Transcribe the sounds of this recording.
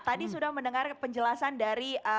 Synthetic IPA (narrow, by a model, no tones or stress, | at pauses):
t̪adisudahmənəŋarpəɲd͡ʒəlasandaɾiʔə